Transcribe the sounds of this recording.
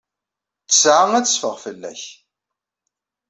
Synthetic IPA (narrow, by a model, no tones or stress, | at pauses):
əsʕaŋæt͡sfəʁfəlːæ̰ç